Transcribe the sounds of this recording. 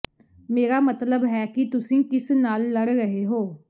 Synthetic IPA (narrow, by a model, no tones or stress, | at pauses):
meːɾaːmət̪ləbɦɛːkɪt̪ʊsĩːkɪsnaːlːəɽɾəɦeːɦoː